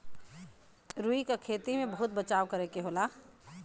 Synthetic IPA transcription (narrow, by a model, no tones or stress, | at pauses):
ɾuikakʰeːt̪imẽbəɦʊt̪̚bət͡ʃaːwkəɾekeɦoːla